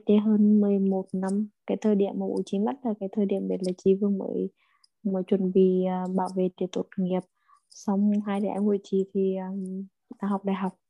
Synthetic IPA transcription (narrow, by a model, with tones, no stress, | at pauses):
t̪e˨˦ɦəː˧nmɨ˨˩əjmo˨˩t̚na˧mkaː˨˦jt̪ʰəː˧˩jɗḭ˧˨əmːaː˨˩ɓṵ˧˦t͡ɕi˧˦ma˦˥t̚laː˨˩kaː˨˦jt̪ʰəː˧˩jɗḭ˧˨əmɗe˨˩laː˨˩t͡ɕi˧˦vɨ˧əŋmə̰ː˧˦j | mə̰˧˨˦jt͡ɕwə˧˨˩nviː˧˩˨ɓa̰ː˧˩wvḛ˧˨t̪i˨˩˦t̚t̪o˨˩t̚ŋːi˨˩əp̚ | sa˧wŋ͡mɦaː˧jɗa˧˨˦ʔɛ̰˧hṵ˧˨jt͡ɕḭ˧˨t̪ʰiː˨˩˨ | t̪aː˧˩ɦa˨˩wk͡p̚ɗaː˨jɦa˨˩wk͡p̚